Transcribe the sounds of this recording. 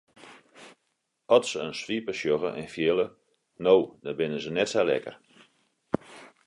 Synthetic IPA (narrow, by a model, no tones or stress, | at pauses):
ɔtsəənsʋipəʃjoɣə̰ʔɛ̰nfjɪlə | nowdɔbɪnəzənɛtsalɛ̰kə̰r